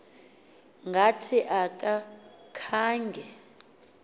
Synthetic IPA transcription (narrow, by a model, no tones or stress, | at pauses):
ŋɡʱatʰiʔakʼa | kʰaːŋɡʱɛ